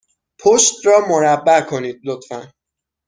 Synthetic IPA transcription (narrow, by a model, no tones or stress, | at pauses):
pʰoʃt̪ɾɒːmoɾæbːækʰo̞niːd̪̥̚lot̪fæn